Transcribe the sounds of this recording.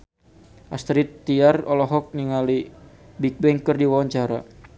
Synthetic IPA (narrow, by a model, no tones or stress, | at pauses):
ʔast̪ɾit̪ːiarɔlɔɦɔk̚niŋali | bik̚bɛŋkərdiwawaɲt͡ʃaɾa